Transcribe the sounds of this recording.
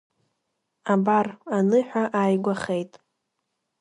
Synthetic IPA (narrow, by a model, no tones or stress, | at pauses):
abaranɨħʷᶣaʔaːjɡʷaχejtʼ